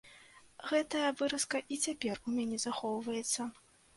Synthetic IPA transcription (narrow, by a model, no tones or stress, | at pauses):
ɣɛt̪ɐjɐvɨɾɐskɐʔit͡sʲapʲɛrumʲanʲɛzaxɔwvɐjɛt̪sːɐ